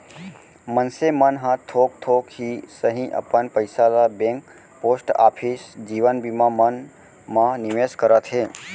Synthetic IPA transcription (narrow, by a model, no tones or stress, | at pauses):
mənsemənɦãt̪ʰoːk̚t̪ʰokhisəɦĩʔə̰pənpəjsalabẽŋk | poːsʈa̰ːpʰisd͡ʒiːʋənbimãmən | mãnɪʋeskəɾət̪ɦe